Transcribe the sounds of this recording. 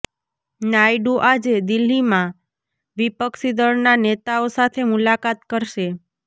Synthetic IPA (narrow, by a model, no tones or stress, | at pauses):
najɖuʔad͡ʒed̪ilːimã | ʋipəkʃid̪əɭnanet̪aosat̪ʰemulakat̪kəɾʃe